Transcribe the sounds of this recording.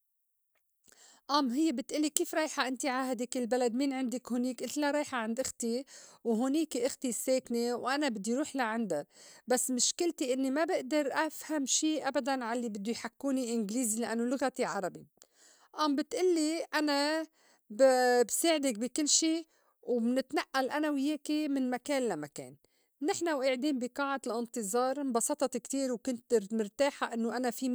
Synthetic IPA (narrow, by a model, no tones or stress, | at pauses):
ʔamːɦɪjːebɪt̪ʔɪlːikiːfɾˤɑːjħaʔɪnt̪iʕaːɦad̪ɪkɪlbalad̪miːnʕɪnd̪ɪkhʊniːkʔɪlːaɾˤɑːjħaʕɪnd̪ʔɪxt̪iwɦʊniːkiʔɪxt̪isːeːknewʔanabɪd̪ːiɾuːħlaʕand̪abasːmɪʃkɪlt̪iʔɪnːimabɪʔd̪ɑɾˤʔafhamʃiːʔabad̪anʕalːibɪd̪ːʊjħakːuːniʔɪnɡliːzilaʔanːolʊɣat̪iʕɑɾˤɑbi | ʔambɪt̪ʔɪlːiʔana | bbseːʕɪd̪ɪk̚bikɪlːʃiː | wmnɪt̪naʔːalʔanawjeːkimɪnmakeːnlamakḛːn | nɪħnawʔeːʕd̪iːmbiqɑːʕalʔɪnt̪ɨzˤɑːɾˤbɑsɑt̪ˤɑt̪ikt̪iːɾwkʊnt̪ɾmɪɾt̪aːħaʔɪnːoʔanafi